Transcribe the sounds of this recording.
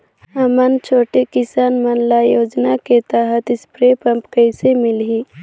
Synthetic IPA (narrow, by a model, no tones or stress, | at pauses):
əmənt͡ʃʰoːʈekɪsaːnmənlajoːd͡ʒnaket̪əɦət̪ɪspɾeːpə̃mpkəɪsemɪlɦi